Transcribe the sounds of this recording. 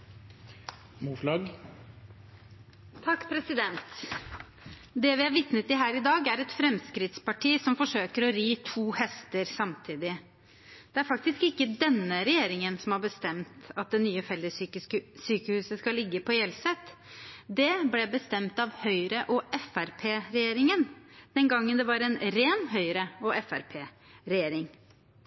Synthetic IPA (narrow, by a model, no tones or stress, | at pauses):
muːflɑɡ | t̪ʰɑkːpʰɾɛsɪd̪ɛnt̪ | d̪ɛʋɪɑɾʋɪt̪nət̪ɪɦæːɾɪd̪ɑːɡæɾɛt̪fɾɛmskɾɪt̪spɑʈʰiːsɔmfɔʂøːkəɾɔɾiːt̪ʰuːhɛst̪əɾsɑmt̪ʰiːd̪ɪ | d̪̥ɛæɾfɑk̚t̪ɪskɪkːəd̪ɛnːəɾɛjeːɾɪŋənsɔmhɑɾbəst̪ɛmt̪ɑt̪̚d̪ɛnyːəfɛləsyːkəhʉːsəskɑlɪɡːəpʰɔjɛlsɛt̪d̪ɛblɛbəst̪ɛmt̪ɑʋhœʏɾəʔɔʔɛfæɾpʰeːɾɛjeːɾɪŋənd̪̥ɛnɡɑŋːənd̪ɛʋɑɾɛnɾeːnɦœʏɾəɔʔɛfæ̰ɾpʰeː | ɾɛjeːɾɪŋ